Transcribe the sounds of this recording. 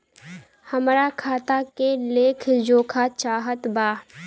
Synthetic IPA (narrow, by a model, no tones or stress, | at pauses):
hɐmɾakʰaːt̪akeleːkʰd͡ʒoːkʰat͡ʃaːɦət̪baː